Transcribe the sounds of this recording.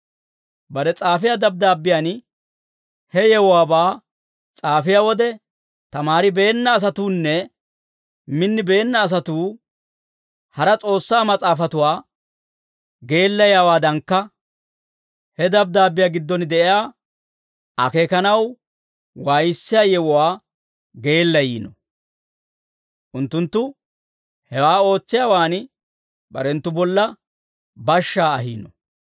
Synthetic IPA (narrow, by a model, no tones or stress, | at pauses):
bɐɾɛt͡sʼaːfɪjaːd̪ɐb̚d̪aːbːɪjan | hɛjɛwɔwaːbaː | t͡sʼaːfɪjaːwɔd̪ɛ | t̪ɐmaːɾɪbe̞ːnːɐːs̬ɐt̪uːnːɛ | mɪnːɪbe̞ːnːɐːs̬ɐt̪uː | hɐɾɐt͡sʼo̞ːsːaːmɐt͡sʼaːfɐt̪ʊwaː | ɡe̞ːlːɐjaːwaːd̪ɐŋkːɐ | hɛd̪ɐb̚d̪aːbːɪjaːɡɪd̪ːɔnd̪ɛʔɪjaː | ʔɐ̰keːkɐnɐw | waːjɪsːɪjaːjɛwɔwaː | ɡe̞ːlːɐjiːnɔ | ʔʊnt̪ːʊnt̪ːʊ | hɛwaːo̞ːt͡sːɪjaːwaːn | bɐɾɛnt̪ːʊbɔlːɐ | bɐʃːaːɐɦiːnɔ